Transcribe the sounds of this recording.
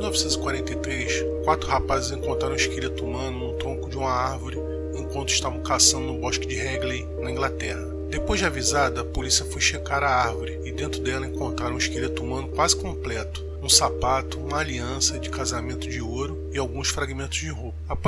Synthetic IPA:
lnɔvisẽt̪ʊzɪkwaɾẽnt̪ejt̪ɾejʃkwat̪ɾʊhapazɪzẽŋkõnt̪ɾaɾɐ̃iʃkelet̪umɐ̃nʊnʊ̃t̪ɾõkʊd͡ʒɪũmɐaɾvʊɾɪ | ẽkwɐ̃nt̪ʊɪʃt̪avɐ̃w̃kasɐ̃nd̪ʊnũbɔʃkɪd͡ʒɪhɛɡlej | nɐĩɡlat̪ɛhɐ | d̪epojʒd͡ʒɪavizad̪ɐɐpolisiɐfojʃekaɾɐaɾvʊɾɪɪd̪ẽnt̪ɾʊd̪ɛlɐẽŋkõnt̪ɾaɾɐ̃w̃iʃkelet̪ʊumɐ̃nʊkwazɪkõmplɛt̪ʊ̥ | ũsapat̪ʊũmɐaliɐ̃sɐd͡ʒɪkazamẽnt̪ʊd͡ʒɪoɾʊ | ɪawɡũsfɾaɡimẽnt̪ʊzd͡ʒɪɦopɐap

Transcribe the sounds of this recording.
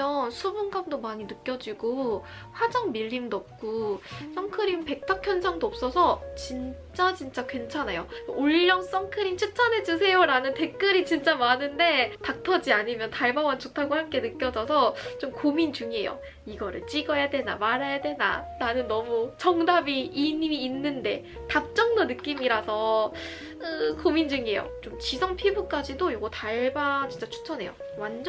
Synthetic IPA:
ʌnsʰubunɡamdomaɲinɯk͈jʌd͡ʑiɡo | ɸwad͡ʑaŋmiʎːimdʌp̚k͈us͈ʌŋkʰɯɾimpe̞k̚tʰakʰjʌnd͡ʑaŋdoʌp̚s͈ʌsʰʌt͡ɕint͡ɕ͈at͡ɕint͡ɕ͈akwe̞nt͡ɕʰanajouʎːʌŋs͈ʌŋkʰɯɾint͡ɕʰɯt͡ɕʰʌnɦe̞d͡ʑusʰe̞joɾanɯnte̞k̚k͈ɯɾit͡ɕint͡ɕ͈amanɯnde̞tak̚tʰʌd͡ʑiaɲimjʌntaɭbawʌnt͡ɕotʰaɡohamk͈e̞nɯk͈jʌd͡ʑʌsʰʌt͡ɕomkomint͡ɕuŋe̞jo̰ | iɡʌɾɯ̰ɭt͡ɕ͈iɡʌjadwe̞na̰maɾajadwe̞na̰nanɯnːʌmut͡ɕʌŋdabiːniiːnːɯnde̞ | tap̚t͡ɕ͈ʌŋdonɯk͈imiɾasʰʌ | ɯkomind͡ʑɯŋe̞jo̰t͡ɕomt͡ɕisʰʌŋpʰibuk͈ad͡ʑidojoɡʌtaɭbat͡ɕint͡ɕ͈at͡ɕʰu̥t͡ɕʰʌne̞̰jo̰ | wan

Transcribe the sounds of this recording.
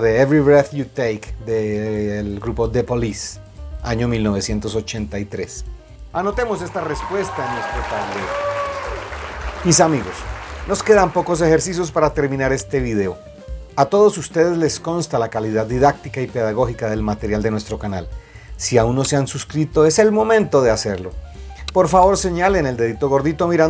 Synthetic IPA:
ðe̞evɾiβɾeθjut̪ejkd̪elɡɾupo̞d̪e̞polis | aɲo̞milno̞β̞e̞sje̞nt̪o̞so̞t͡ʃe̞nt̪ajt̪ɾe̞s | ano̞t̪e̞mo̞se̞st̪are̞spwe̞st̪aenːwest̪ɾot̪ald̪e | mis̬amiɣo̞sno̞ske̞ðampo̞ko̞s̬e̞xe̞ɾsis̬jo̞spaɾat̪e̞ɾmĩnaɾe̞st̪e̞βið̞e̞o̞ | at̪o̞ðo̞sust̪e̞ð̞e̞zle̞sko̞nst̪alakaliðaðːiðak̚t̪ikaipe̞ðaɣo̞xikaðe̞lmat̪e̞ɾjald̪enwe̞st̪ɾo̞kana̰l | siaunːoseansuskɾit̪o̞e̞se̞lmo̞mẽ̞nt̪o̞ðe̞ase̞ɾlo̞ | po̞ɾfaβo̞ɾse̞ɲale̞ne̞ld̪e̞ðit̪o̞ɣo̞ɾðit̪omiɾa

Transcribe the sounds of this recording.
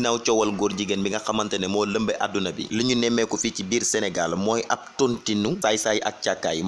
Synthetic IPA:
nawt͡ʃɔwɐlɡɔːrɟiɡənbiŋɡɐxɐmɐntɛnɛmɔːləmbəʔadːunɐbḭləɲunɛmːɛkɔficibiːrsɛnɛɡalmɔːjʔɐp̚tuntinufajsajiʔɐk̚cakːa̰ːji

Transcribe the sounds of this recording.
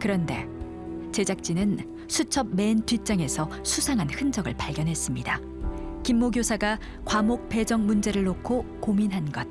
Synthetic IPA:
kɯɾʌnde̞̰ | t͡ɕe̞d͡ʑak̚t͡ɕ͈inɯn | sʰut͡ɕʰʌb̚me̞ntɥit͡ɕ͈aŋe̞sʰʌ | sʰusʰaŋɦanhɯnd͡ʑʌɡɯ̰ɭpaɭɡjʌnɦe̞s͈ɯmɲida | kimːoɡjosʰaɡa | kwamok̚pe̞d͡ʑʌŋmund͡ʑe̞ɾɯɭːokʰokominɦanɡʌt̚

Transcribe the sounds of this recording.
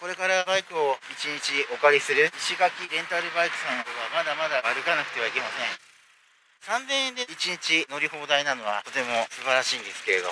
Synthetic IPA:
ko̞ɾe̞kaɾabaikɯ̟o̞it͡ɕiɲ̟it͡ɕio̞kaɾʲisɨɾɯ̟iɕiɡakʲiɾẽ̞nt̪aɾɯ̟baikɯ̟̥sãnd̪oβamad̪amad̪aaɾɯ̟kanakɯ̟̥t̪e̞β̞aike̞masẽ̞ | sãnzẽɰ̃ẽnd̪e̞it͡ɕiɲ̟it͡ɕino̞ɾʲiɦo̞ːd̪ainano̞β̞a̰t̪o̞t̪e̞mo̞sɨbaɾaɕiːnd̪e̞sɨ̥ke̞ɾe̞d̪o̞

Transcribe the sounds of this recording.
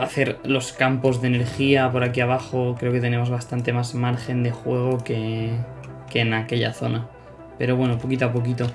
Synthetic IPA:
aθe̞ɾlo̞skampo̞zðene̞ɾxiapo̞ɾakiaβ̞axo̞kɾe̞o̞ket̪e̞ne̞mo̞zβ̞ast̪ant̪e̞mazmaɾxe̞nd̪e̞xwe̞ɣ̞o̞ke̞ | ke̞ːnake̞ʎa̰θo̞̰na | pe̞ɾo̞βwe̞no̞po̞kit̪oap̬ok̬it̪o

